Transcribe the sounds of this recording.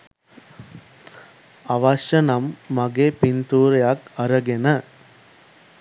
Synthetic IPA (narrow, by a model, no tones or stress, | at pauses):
ɐʋaːʃɐnɐmːɐɡeːpɪnt̪uːɾɐjaːkɐɾɐɡenɐ